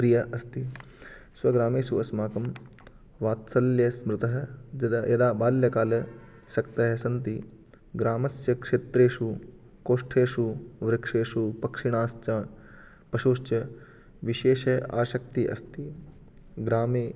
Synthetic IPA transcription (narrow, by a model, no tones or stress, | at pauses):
pɾijɐʔɐst̪i | sʋɐɡɾaːmeːsuɐsmaːkɐm | ʋaːt̪sɐljɐsmɾɪt̪ɐɦɐ̆d͡ʒɐd̪ajɐd̪aːbaːljɐkaːlɐ | ʃɐkt̪ɐɦɐsɐnt̪̬i | ɡɾaːmɐsjɐkʂeːt̪ɾeːʃu | koːʂʈʰeːʃuʋɾɪkʂeːʃupɐkʂiɳ̃aːst͡ʃa | pɐʃoːʃt͡ʃjɐ | ʋiʃeːʃɐa̰ːʃɐk̚t̪iʔɐ̰st̪i | ɡɾaːmeː